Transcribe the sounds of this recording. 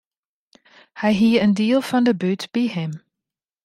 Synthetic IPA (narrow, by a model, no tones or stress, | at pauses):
hɛjɦiːəəndiəlˠfɑndəbytb̥iɦɪm